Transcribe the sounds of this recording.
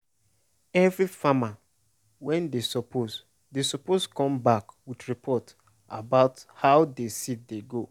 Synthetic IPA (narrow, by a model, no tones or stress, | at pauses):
ɛvɾifama | wɛ̃ndesɔpʰoz | desɔposkɔ̃mbakwidɹipʰɔt | abaʊthaʊdesit̚deɡo